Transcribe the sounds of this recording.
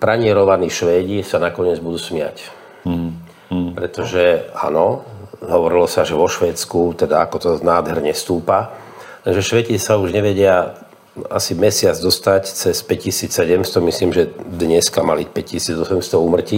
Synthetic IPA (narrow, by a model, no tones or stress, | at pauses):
pɾaɲɪɛɾɔʋaniːʃʋɛːɟisanakɔɲɪɛd͡zbud̪uːsmɪa̰c | pɾɛt̪ɔʒɛa̰nɔɦɔʋɔɾilɔsaʒɛʋɔʃʋɛːt͡skut̪ɛd̪aakɔt̪ɔnaːd̪ɦɛɾɲɛst̪uːpa | lɛnʒɛʃʋɛcisauʒɲɛʋɛɟɪa | asimɛsɪad͡zd̪ɔst̪act͡sɛspɛcːisiːt͡ssɛɟɛmst̪ɔmisliːmʒɛd̪ɲɛskamalicpɛccisiːd͡zɔsɛmst̪ɔuːmr̩ci